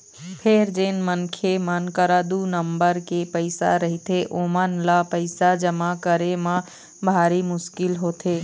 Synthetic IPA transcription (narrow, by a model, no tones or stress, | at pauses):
pʰɪɾd͡ʒɪnmənkʰemənkəɾaːd̪unəmbəɾkepəɪsa̰ɾəɦit̪eʔoːmənlapəɪsad͡ʒəmakəɾemã | bʱaːɾimʊʃkɪlɦoːt̪eː